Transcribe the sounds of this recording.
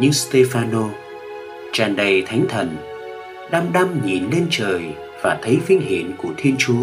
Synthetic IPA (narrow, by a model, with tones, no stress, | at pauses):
ɲɨ˧ŋst̪e˧faː˧no˧ | t͡ɕaː˨˩nɗə˨˩jt̪ʰa˨˦jŋ̟t̪ʰə˨˩n | ɗa˧mɗa˧mɲḭ˨˩nle˧nt͡ɕəː˨˩j | vaː˨˩t̪ʰə˨˦jvï˧ŋ̟ɦḭ˧˩˨ənku˧˩ət̪ʰi˧ənt͡ɕu˨˦